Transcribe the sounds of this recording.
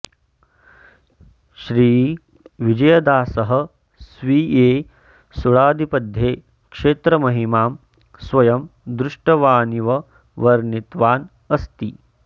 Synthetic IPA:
ʃɾiː | ʋid͡ʒɐjɐd̪aːsɐɦɐ̆ | sʋiːeː | suɭaːd̪ʱipɐd̪ʱjeː | kʂeːt̪ɾɐmɐɦimaːm | sʋɐjɐmd̪ɾuʂʈɐʋaːniʋɐ | ʋɐɾnit̪ʋaːn | ɐst̪i

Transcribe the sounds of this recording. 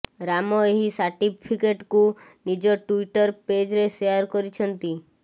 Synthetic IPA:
ɾamɔeɦisaɾʈipʰikeʈkunid͡ʒɔʈuiʈɔɾped͡ʒɾeseaɾkɔɾit͡ʃʰɔnt̪i

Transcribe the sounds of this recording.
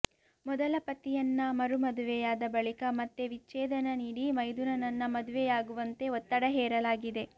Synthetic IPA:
mɔd̪ɐlɐpɐt̪ːijɐnːɐmɐɾumɐd̪uʋɛjaːd̪ɐbɐɭikɐmɐt̪ːeʋit͡ʃːɛːd̪ɐnɐniːɽimɐjd̪unɐnɐnːɐmɐd̪uʋɛjaːɡuʋɐnt̪e̞ot̪ːɐɽɐɦɛːɾɐlaːɡid̪e̞

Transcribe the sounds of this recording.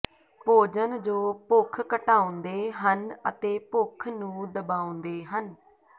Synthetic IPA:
poːd͡ʒənd͡ʒoːpʊkʰkəʈaːõnd̪eːɦənə̰t̪eːpʊkʰnũːd̪əbaːõnd̪eːɦən

